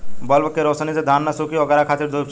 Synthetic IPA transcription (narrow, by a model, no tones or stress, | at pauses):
bɔlbəkːeɾoːsnised̪ʱaːnːasuːkiʋɐɡəɾakʰaːt̪iɾd̪ʱut͡ʃ